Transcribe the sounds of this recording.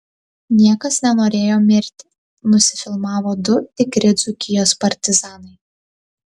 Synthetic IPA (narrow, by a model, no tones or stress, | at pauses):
nʲiɛkɐsnʲɛnoːɾʲeːjoːmʲɪɾʲt̪ʲɪ | nʊsʲɪ̥fʲɪlˠmɑːʋoːd̪ʊt̪ɪkɾʲɪd̪zʊkʲɪjoːspɐɾʲt̪ʲɪzɑːnɐɪ